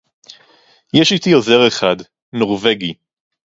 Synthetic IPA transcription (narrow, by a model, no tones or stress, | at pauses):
jeʃit̪iozeʁeχad | noʁveɡi